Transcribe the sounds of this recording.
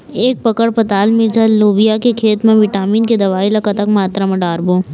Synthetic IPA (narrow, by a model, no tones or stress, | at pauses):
eːk̚pɐkəɽpɐt̪aːlmɪɾd͡ʒaloːbijakekʰeːt̪mẽʋɪʈaːmiːnked̪ɐʋaːilɐkat̪ɐkmaːt̪ɾamɐ̃ɖaːɾboː